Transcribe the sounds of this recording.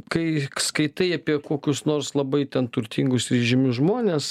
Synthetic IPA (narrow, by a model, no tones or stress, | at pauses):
kɐɪskɐɪt̪ɐɪɐpʲiɛkoːkʲʊsnoːrslˠɐbɐɪt̪ʲɛnt̪ʊɾʲt̪ʲiːŋɡʊsɾʲɛʒʲɪmʲʊʒmoːnʲeːs